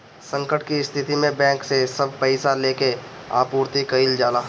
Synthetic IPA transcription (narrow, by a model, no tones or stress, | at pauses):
sə̃ŋkəʈkiɪst̪ʰɪt̪imẽbɛ̃ːŋksesɐb̚ʱpəɪsaleːke | a̰ːpuːɾt̪ikəild͡ʒaːlaː